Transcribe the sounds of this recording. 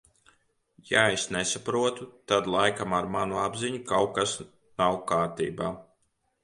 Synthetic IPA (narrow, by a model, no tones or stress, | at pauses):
jaesnesapɾuɔt̪ut̪ad̪lˠajkamaɾmanuabziɲukawkas | nawkaːɾt̪ḭːbaː